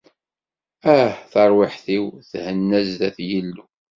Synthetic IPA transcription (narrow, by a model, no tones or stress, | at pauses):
æhθəɾˤwɪħθiwθhənːæzðæθjilːu